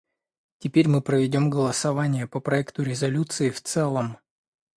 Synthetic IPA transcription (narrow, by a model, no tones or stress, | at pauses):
tʲɪpʲeɾʲmɨpɾəvʲɪdʲo̞mɡəlˠəsɐvanʲɪjəpəpɾɐɛkt̪ʊɾʲɪzɐlʲut̪sɨɪft̪sɛlˠəm